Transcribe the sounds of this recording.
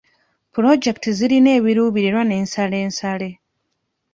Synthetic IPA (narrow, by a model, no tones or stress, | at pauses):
puɾo̞d͡ʒe̞ktiziɾine̞ːβiɾuːβiɾeɾwane̞ːnsale̞ːnsale̞